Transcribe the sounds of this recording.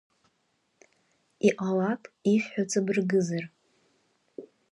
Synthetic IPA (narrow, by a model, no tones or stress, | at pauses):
iʔalapʰʼifħᶣat͡sʰabɨrɡɨzar